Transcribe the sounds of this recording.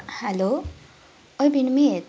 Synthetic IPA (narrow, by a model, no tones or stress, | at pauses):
halo | ʌjbinmiet̪